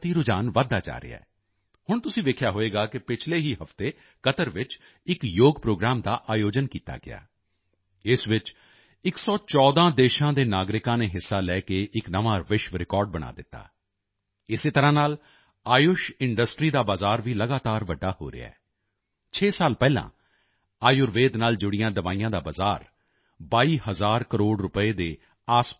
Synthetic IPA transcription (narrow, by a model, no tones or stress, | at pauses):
t̪iːɾʊd͡ʒaːnʋad̪ːaːt͡ʃa̰ːɾɪ̰a̰ɛː | hʊɳt̪ʊsĩːʋeːkʰjaːɦoːeːɡaːkɪpɪt͡ʃʰleːɦiːɦəft̪eː | kət̪əɾʋɪt͡ʃ | ɪkjoːɡpɾoːɡɾaːmd̪aːʔaːjoːd͡ʒənkiːt̪a̰ːɡɪ̰a̰ː | ɪsʋɪt͡ʃ | ɪksɔːt͡ʃɔːd̪ãːd̪eːʃãːd̪eːnaːɡɾɪkãːneːɦɪsːaːlɛːkeːʔɪknəʋaːʋɪʃʋɾɪkɔːɾɖ̚bəɽ̃a̰ːd̪ɪt̪ːa̰ː | ɪseːt̪əɾãːnaːl | aːjʊʃɪɳɖəsʈɾiːd̪aːbaːzaːɾʋiːləɡaːt̪aːɾʋəɖːaːho̰ːɾɪ̰a̰ːɛː | t͡ʃʰeːsaːlpɛːlã̰ː | aːjʊɾʋeːd̪naːld͡ʒʊɽɪjãːd̪əʋaːijãːd̪aːbaːzaːɾ | baːiːɦəzaːɾkəɾoːɽɾʊpəeːd̪eː | aːs